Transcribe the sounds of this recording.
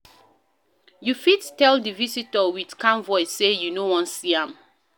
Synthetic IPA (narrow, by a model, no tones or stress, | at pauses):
jufidtɛldɨvisitəwidkʰãnvɔɪssejunowɔ̃nsiãm